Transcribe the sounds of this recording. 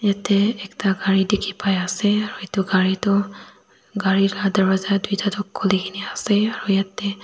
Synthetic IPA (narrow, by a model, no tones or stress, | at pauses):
jat̪ɛɛktaɡaɹidekʰipajasɛaɹuet̪uɡaɹitɔ | ɡaɹiɾad̪əɹbazad̪ujtatɔkʰːolikʰiniasɛaɹujat̪ɛ